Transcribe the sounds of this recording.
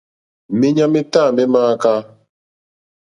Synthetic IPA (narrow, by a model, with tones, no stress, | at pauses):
me˦ɲa˦me˦taː˦˨me˦maː˦ka˦